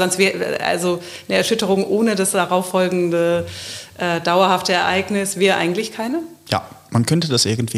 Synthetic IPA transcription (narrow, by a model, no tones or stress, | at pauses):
zɔnstvɛːə̰ʔa̰lzo | nəɛɐʃʏtəʁ̞ʊŋʔoːnədasd̥aʁaʊfɔlɡŋ̩dəʔɛːdaʊɐhaftəɛɐʔaɪɡnɪsv̥eːʁəʔa̰ɪɡŋ̩tlɪçkʰaɪnəja̰ːmankʰœntədasʔɪ̰ɐɡŋ̩tv̥iː